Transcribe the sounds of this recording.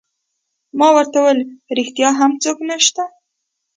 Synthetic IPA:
mɑwəɾt̪awəlɾɪxt̪jɑɦamt͡soknaʃt̪a

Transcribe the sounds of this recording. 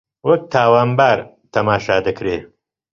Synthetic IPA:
wɐk̚t̪ʰaːwaːnbaːɾ | t̪ʰɐmaːʃaːd̪ɨkɾe

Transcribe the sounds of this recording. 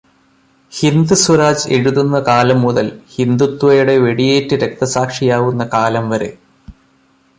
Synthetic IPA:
hind̪usuɾaːd͡ʑe̞ɻuðunːɐkaːlɐmːuðɐlhind̪ut̪ːʋɐjuɽe̞ʋe̞ɽijeːtːɨɾe̞k̚t̪ɐsaːkʂijaːʋunːɐkaːlɐmʋɐɾe̞̰

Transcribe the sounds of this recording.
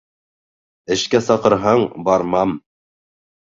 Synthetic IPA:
ɘ̆ʃkæsɑqɤ̆ɾɦɑɴbɑɾmɑm

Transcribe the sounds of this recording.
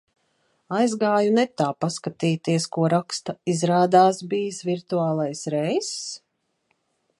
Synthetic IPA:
ajzɡaːjunɛt̪aːpaskat̪iːt̪iɛskuɔɾakst̪aizɾaːd̪aːsbiːsvʲiɾt̪uaːlˠajsɾɛjss

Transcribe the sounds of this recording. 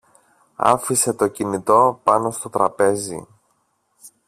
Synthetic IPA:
ɐ̰fise̞t̪o̞cinit̪o̞pɐno̞st̪o̞t̪ɾɐpe̞zḭ

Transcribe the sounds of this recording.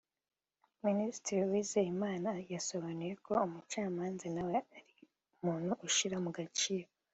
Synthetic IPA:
ministiɾiwiːzeimaːnajaso̞βanuje̞kʰo̞umut͡ʃaːmaːnzenaweaɾi | umuːn̥huʔuʃiɾamuɡat͡ʃiːɾo

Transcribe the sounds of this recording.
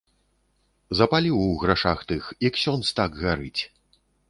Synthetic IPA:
zɐpalʲiwɣɾaʂaxt̪ɨxjɐksʲɔnst̪aɡɣaɾɨt͡sʲ

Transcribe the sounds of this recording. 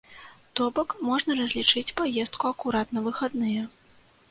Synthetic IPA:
t̪ɔbɔkmɔʐnɐɾɐzʲlʲit͡ʂɨt͡sʲpajɛst̪̚kuɐkuɾat̪nɐvɨxad̪nɨjɐ

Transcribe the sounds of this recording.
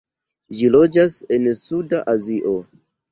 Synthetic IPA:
ʒilo̞d͡ʒase̞nsudaʔaziʔo

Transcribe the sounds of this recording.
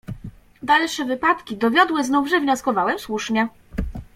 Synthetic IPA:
d̪alʂɛvɘpat̪kʲid̪ɔvʲjɔd̪wɘznuvʐɛvɲɔskɔvawɛmswuʂɲɛ

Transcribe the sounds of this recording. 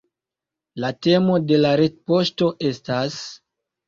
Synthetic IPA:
late̞mo̞de̞laɾet̚po̞sto̞ʔe̞stas

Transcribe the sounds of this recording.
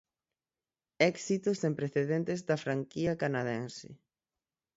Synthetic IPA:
ɛksit̪ʊsempɾeθeðɛnt̪ezðɐfɾaŋkiɐkanaðɛnsɪ̰

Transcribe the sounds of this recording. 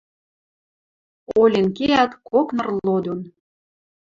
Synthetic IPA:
olʲenkeæt̪koknɤ̆rlod̪on

